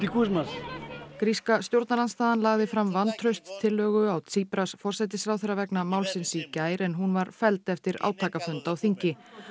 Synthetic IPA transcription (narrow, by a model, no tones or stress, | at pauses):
t̪ikʰusmaskɾiskast̪jowɾt̪naɾlanst̪aːðanlaːɣðɪfɾamvanːt̪ʰɾœɥst̪ʰːɪlːœːɣʏawt̪ʰiːpɾasfɔr̥sɛjt̪̬ɪsɾaːwθɛɾavɛknamaːwlsɪnsicaːjɾɛnɦunvaɾfɛlt̪ɛft̪ɪɾa̰ːwt̪ʰaːkafœnt̪awθiɲcɪ